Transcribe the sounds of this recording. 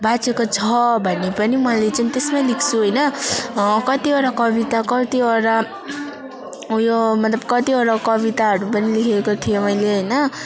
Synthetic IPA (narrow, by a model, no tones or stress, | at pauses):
bat͡sekot͡sʰʌbʱʌnːepʌnimʌlet͡sanit̪esmalikʰt͡sʰuɦʌjnʌ | kʌt̪iʌɾakʌbit̪akʌt̪iʌɾa | jomʌt̪lʌb̚kʌt̪iʌɾakʌβit̪aɦʌɾupʌnilikʰekot̪ʰijomʌjleɦʌjnʌ